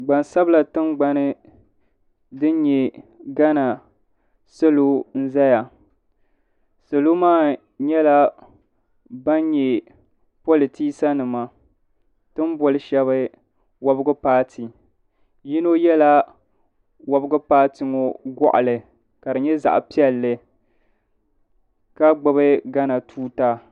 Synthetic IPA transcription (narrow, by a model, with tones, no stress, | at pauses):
ɡ͡ba˨nsa˦bla˨tɨ˦mɡ͡ba˨nɨ˦ | dɨ˦n˦ɲɛ˨ɡa˦na˨ | so˦lo˦n̩˦za˦ja˨ | so˨lo˦maː˦˨ | ɲɛ˦la˦ | ba˦nɲɛ˨ | po˦lɨ˨ti˦sa˦nɨ˨ma˦ | tɨ˦m˦bɔ˨lɨ˦ʃɛ˦βɨ˦ | wa˦bɡʊ˦paː˦tʰi˨ | ji˦no˦jɛ˦la˦ | wa˦bɨ˦ɡʊ˦paː˦tɨ˨ŋo˦ɡɔ̰˦ʔa̰˨lɨ˨ | ka˨dɨ˨ɲɛ˦za̰˨ʔpi˦ɛ˦lːɨ˨ | ka˦ɡ͡bɨ˨βɨ˦ɡa˦na˨tʰuː˦ta˦